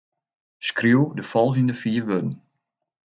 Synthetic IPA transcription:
skriuwdəfɔlˠɣəndəfiːɹʋødn̩

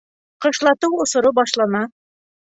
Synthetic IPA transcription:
qɤ̆ʃlˠɑt̪ɤwŏsŏɾɤbɑʃlˠɑnɑ

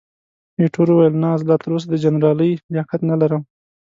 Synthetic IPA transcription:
neʈʰoɾuwajəlnɑzlɑt̪əɾos̬ad̪əd͡ʒanɾɑləjlɑkat̪nalaɾəm

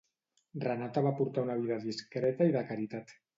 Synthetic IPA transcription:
rənat̪aβ̞apuɾt̪aunaβ̞iðaðiskɾɛt̪aiðakaɾit̪at̪

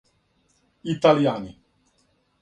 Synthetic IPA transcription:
it̪aljaːni

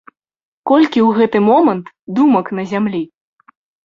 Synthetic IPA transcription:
kɔlʲkʲiwɣɛt̪ɨmɔmɐnt̪ | d̪umɐknɐzʲamlʲi

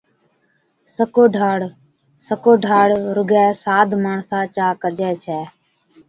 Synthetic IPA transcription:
səkoːɖʱaːɽ | səkoːɖʱaːɽɾʊɡɛːsaːd̪ʱmaːɳsãːt͡ʃaːkəd͡ʒɛːt͡ʃʰɛː

